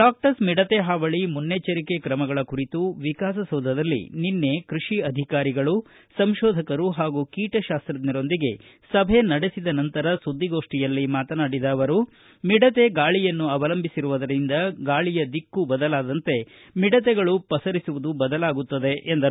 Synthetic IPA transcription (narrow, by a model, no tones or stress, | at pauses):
ɖaːk̚ʈɐsmiɽɐt̪eɦaːʋɐɭimunːet͡ʃɐɾike̞kɾɐmɐɡɐɭɐkuɾit̪uʋikaːs̬ɐsɐːd̪ʱɐd̪ɐlːḭninːe̞kɾuʂiɐd̪ʱikaːɾiɡɐɭu | sɐmʃɔːd̪ʱɐkɐɾuɦaːɡukiːʈɐʃaːst̪ɾɐd̪niɾo̞nd̪iɡe̞ | sɐbʱe̞nɐɽesid̪ɐnɐnt̪ɐɾɐsud̪ːiɡo̞ːʂʈijɐlːimaːt̪ɐnaːɽid̪aːʋɐɾu | miɽɐt̪e̞ɡaːɭijɐnːuɐʋɐlɐmbʱisiɾuʋɐd̪ɐɾind̪ɐɡaːɭijɐd̪ikːubɐd̪ɐlaːd̪ɐnt̪e̞ | miɽɐt̪ɛɡɐɭupɐsɐɾisuʋud̪ubɐd̪ɐlaːɡut̪ːɐd̪e̞ʔend̪ɐ